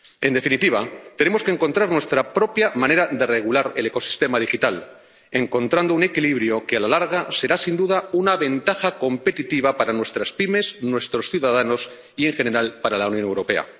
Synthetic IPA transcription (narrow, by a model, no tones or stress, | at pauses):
e̞nd̪e̞finit̪iβat̪e̞ne̞moskeŋko̞nt̪ɾaɾnwe̞st̪ɾapɾo̞pjamãne̞ɾaðe̞re̞ɣ̞ulaɾe̞le̞ko̞si̥st̪e̞maðixit̪al | e̞ŋko̞nt̪ɾand̪oune̞kiliβ̞ɾjo̞kealalaɾɣase̞ɾasind̪uðaunaβe̞nt̪axako̞mpe̞t̪it̪iβapaɾanwe̞st̪ɾaspime̞snwe̞st̪ɾo̞sθjuðað̞ano̞s | ie̞ŋxe̞ne̞ɾalpaɾalawnjo̞newɾo̞pe̞a̰